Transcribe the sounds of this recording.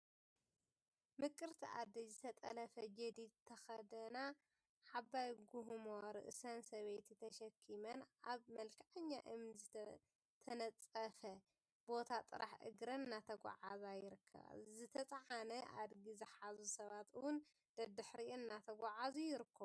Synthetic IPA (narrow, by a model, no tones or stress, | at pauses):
mɨkʼːɨɾt̪ʰiʔa̰d̪ɐzɨt̪ʰɐt̪ʼɐ̰lɐfɐd͡ʒɐd̪it̪ʰɐxɐd̪ɐna | ħaβajɡuɦmoɾɨ̰ʔɨsɐnsɐβejt̪ʰit̪ʰɐʃɐkʰːimɐnaβmɐlkʰɐʕɐɲːa̰ʔɨmz | t̪ʰɐnɐt͡sʼɐfɐ | b̥o̞t̪ʰat̪ʼɨ̰ɾʔaħʔɨ̰ɡɾɐnːat̪ʰɐɡʷa̰ʕazajɪɾɨkʰːɐ̰βa̰zɨt̪ʰɐt͡sʼʕanɐʔa̰d̪ɡizɨħazusɐβat̪ɨwʊn | d̪̥ɐd̪ɨħɾiʔɨnːat̪ʰɐɡʷaʕazujɪɾɨkʰːɐβu